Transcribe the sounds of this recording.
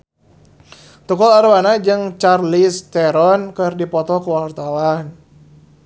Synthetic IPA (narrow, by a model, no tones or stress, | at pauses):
t̪ukɔlaɾuwanad͡ʒɨŋt͡ʃarlist̪ɛɾɔnkɨrdipɔt̪ɔkuwart̪awan